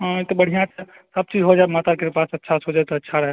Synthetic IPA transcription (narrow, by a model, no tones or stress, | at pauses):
ɦet̪obəɽ̤ijãt͡ʃʰɛ | səb̚t͡ʃid͡ʒɦod͡ʒaemat̪akepasɐtːʃʰasɦod͡ʒajt̪oətːʃʰaɾəɦɛ